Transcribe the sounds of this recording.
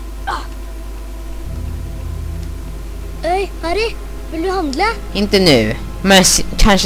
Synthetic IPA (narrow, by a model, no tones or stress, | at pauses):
œʏhɑɾɪ | ʋɪld̪ʉhɑnd̪lə | ɪ̃nt̪ənø | mɛnskʰɑnʃə